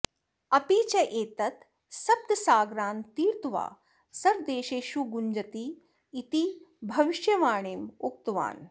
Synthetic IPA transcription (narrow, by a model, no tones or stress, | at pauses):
ɐpiːt͡ʃɐʔeːt̪ɐt̪ | sɐb̚t̪saːɡɾaːnt̪iːɾt̪uʋa̰ː | sɐɾd̪eːʃeːʃuɡuɲd͡ʒɐt̪iː | t̪i | bʱɐʋiʃjɐʋaːɳeːmuk̚t̪ʋa̰ːn